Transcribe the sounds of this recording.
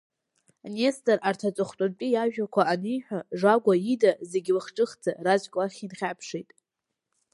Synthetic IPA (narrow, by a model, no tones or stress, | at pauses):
nestʼarʔartʰat͡sʷʼʊχtʼʊnpʲʼijaʒᶣakʷʰaːnijħʷᶣaʐaɡʷaidaze̞ɡʲlaχʈ͡ʂʼɨχd͡zarat͡ʃʷʼkʼlaχʲinχʲapʰʂejtʼ